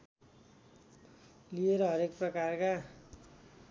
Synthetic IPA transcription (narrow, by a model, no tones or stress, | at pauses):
lieɾʌɦʌɾek̚prʌkarka